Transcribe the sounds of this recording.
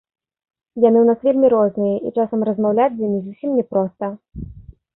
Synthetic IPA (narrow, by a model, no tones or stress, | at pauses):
janɨwnasvʲilʲmʲiɾɔznɨjɐʔḭt͡ʂasɐmrɐzmawlʲat͡sʲzʲjamʲizusʲimnʲɛpɾɔst̪ɐ